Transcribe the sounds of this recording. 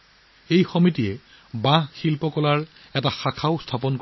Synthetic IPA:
ejxomitijɛ | bãɦxilpɔkɔlaɹ | ɛtaxakʰaʊstʰapɔnko

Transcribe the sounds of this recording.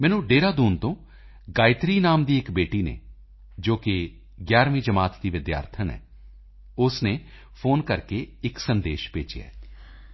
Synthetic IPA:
mɛːnũːɖeːɾaːd̪uːnt̪õː | ɡaːɪt̪ɾiːnaːmd̪iːɪkbeːʈiːnḛː | d͡ʒoːkɪ | ɡjaːɾmĩːd͡ʒəmaːt̪d̪iːʋɪd̪ja̰ːɾt̪ʰənɛ̰ː | ʊsneː | pʰoːnkəɾkeːɪksənd̪eːʃpeːt͡ʃḛːɛ̰ː

